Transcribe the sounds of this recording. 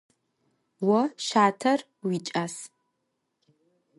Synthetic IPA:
wɔʃaːtʰɐr | wit͡ʃʼas

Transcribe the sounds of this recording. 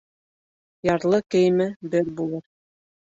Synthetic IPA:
jɑɾlˠɤkɘ̆jmɘbɘɾbulˠɤɾ

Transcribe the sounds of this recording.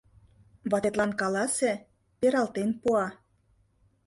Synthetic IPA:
βɑt̪et̪lɑnkɑlɑse | peɾɑlt̪enpuɑ

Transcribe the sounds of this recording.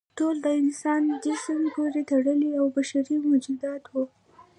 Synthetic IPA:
ʈold̪əɪnsɑnd̪eʃəwepoɾet̪aɽəliawbaʃaɾimʊd͡ʒud̪ɑt̪wu

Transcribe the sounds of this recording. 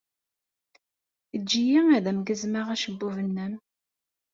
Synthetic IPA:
əd͡ʒːijiŋæðæmɡəzmaʁæʃəbːuvənːəm

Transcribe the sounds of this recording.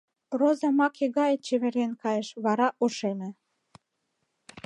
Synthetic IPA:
prozɑmɑkeɣɑjet͡ɕeβeɾenkɑjeʃβɑɾɑʔoʃenĕ

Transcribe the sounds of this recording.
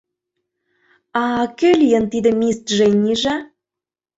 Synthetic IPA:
ɑkelʲijə̆nt̪id̪ĕmʲist̪ʒenʲiʒɑ

